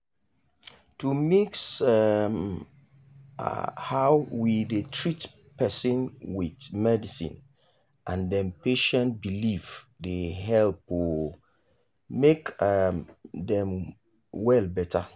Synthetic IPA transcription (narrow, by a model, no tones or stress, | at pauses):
tumiksam | hawwidetʰɹit | pɛsĩnwitmɛdisḭ̃n | ʔãndɛ̃mpeʃɛ̃nt̚biliv | deɦɛlpo | mek | dɛ̃m | wɛlbɛtʰa